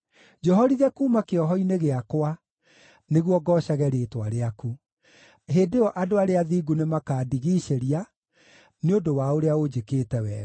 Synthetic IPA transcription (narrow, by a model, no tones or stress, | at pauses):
d͡ʒɔɦɔɾiðɛkumakeɔɦɔineɣeakwa | neɣwɔɡɔːʃaɣɛɾeːtwaɾeaku | ɦeːdeɔʔadoaɾeaðiːɡunemakaːdiɣiːʃeɾia | neodowaoɾeaɣod͡ʑekeːtɛwɛ̰ː